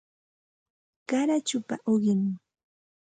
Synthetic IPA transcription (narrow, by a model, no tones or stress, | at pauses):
kaɾat͡ʃʊpa̰ʔoɢɪŋ